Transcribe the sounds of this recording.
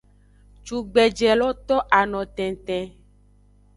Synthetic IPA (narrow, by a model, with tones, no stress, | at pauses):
t͡ʃu˨ɡ͡bɛ˨d͡ʒɛ˨lɔ˦t̪ɔ˦ʔa˨nɔ̃˨t̪ɛ̃˨t̪ɛ̃˨